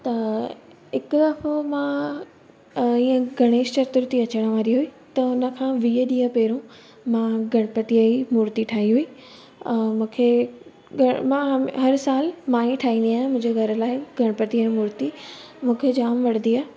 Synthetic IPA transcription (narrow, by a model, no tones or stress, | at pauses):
t̪ɐ | ɦɪkɐfomã | ĩːə̃ɡʱɐɽ̃eːʃt͡ɕɐɾt̪ʊɾt̪iɐt͡ɕəɽ̃ʋãːɾiɦui | t̪ɐʊnə̆kʰãːʋiːəɗĩːə̃peːɾõ | mãːɡʱɐɽ̃pət̪iaimuːɾt̪iʈʰaːɦiɦuiː | mũːkʰe | ɡʱɐmãɦɦɐɾsaːlmãːĩʈʰaːɦĩnd̪iaːɦẽmʊ̃ɦɪ̃ɲd͡ʑeɡʱɐɾə̆laːɪɡʱɐɽ̃pət̪iəːĩmuːɾt̪i | mũːkʰed͡ʑaːmʋɐɽ̤nd̪iaːɦ